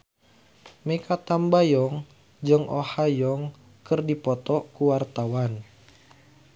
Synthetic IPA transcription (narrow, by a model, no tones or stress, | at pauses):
mekat̪ambajɔŋ | d͡ʒɨŋʔɔ̰hajɔŋ | kɨrdipɔt̪ɔkuwart̪awan